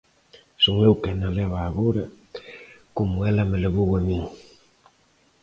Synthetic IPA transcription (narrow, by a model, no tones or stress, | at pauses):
soŋewkenalɛβaːɣoɾa | komʊɛlameleβoɣamiŋ